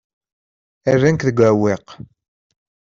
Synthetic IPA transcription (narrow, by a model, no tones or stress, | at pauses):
ærːænkðəɡʷæwɪq